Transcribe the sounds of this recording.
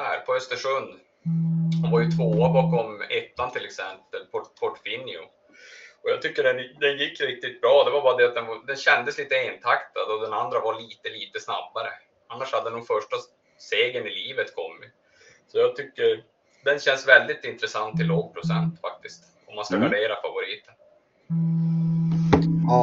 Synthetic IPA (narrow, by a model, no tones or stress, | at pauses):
æ̰ːɾpʰɔœst̪əʂɵnd̪ | dɔvaɾjɵt̪ʰvoːabɑkɔmːɛt̪ːant̪ʰɪlɛksɛmpəlpʰɔpʰɔʈfɪnːɪʊ̰ | ɔjaːt̪ʰʏkːəɖɛnd̪ɛnjɪkːɾɪk̚t̪ɪt̪̚bɾɑːd̪ɛvaɾbɑːɾad̪ɛat̪̚d̪ɛnvad̪ɛnɕɛnd̪əsliːt̪əeːnt̪ʰakt̪ad̪ɔd̪ɛnand̪ɾavaɭiːt̪əliːt̪əsna̰bːaɾə | anːaʂhad̪əd̪ɛnɔmfœʂʈa | seːɡənɪliːvət̪kʰɔmːɪt̪ | sɔjaːɡ̚t̪ʰʏkːəɾ | d̪ɛnɕɛnːsvɛld̪ɪt̪ɪnt̪ɾəsant̪ʰːɪloːɡ̚pʰɾʊsɛ̰nt̪fa̰k̚t̪ɪst̪ | ɔmːanskaɡaɖeːɾafavʊɾiːt̪ən